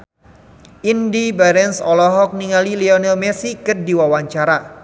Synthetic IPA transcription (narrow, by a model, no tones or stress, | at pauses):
ʔindibaɾɛnsɔlɔɦɔk̚niŋaliliɔnɛlmɛsikərdiwawaɲt͡ʃaɾa